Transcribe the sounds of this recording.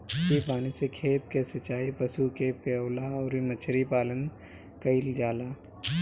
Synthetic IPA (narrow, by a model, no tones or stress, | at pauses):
kipaːnisekʰeːt̪̚kesɐt͡ʃaːipəsukepewlaɔːɾimɐt͡ʃʰɾipaːlən | kəɪld͡ʒaːlaː